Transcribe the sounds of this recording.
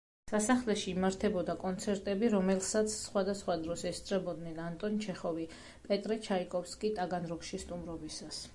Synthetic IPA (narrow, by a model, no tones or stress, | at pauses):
sasaχlɛʃiːmaɾt̪ʰɛbɔd̪akʼɔnt̪sʰɛɾt̪ʼɛbiɾɔmɛlˠsat̪sʰsχwad̪asχwad̪ɾɔsɛst̪sʼɾɛbɔd̪nɛnant̪ʼɔnt͡ʃʰɛχɔvi | pʼɛt̪ʼɾɛt͡ʃʰaikʼɔfskʼit̪ʼaɡanɾɔkʃist̪ʼumɾɔbisas